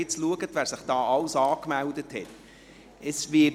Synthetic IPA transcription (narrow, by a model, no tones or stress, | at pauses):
ɪt͡sluəɡətvæːɾsɪχd̥ɑːʔɑlsɑːkmældəthɛt | əsʋɪ